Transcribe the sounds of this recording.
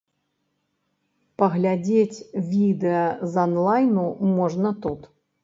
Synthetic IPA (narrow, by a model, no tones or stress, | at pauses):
pɐɣlʲad͡zʲet͡sʲvʲid̪ɛɐzanlˠajnumɔʐnɐt̪ut̪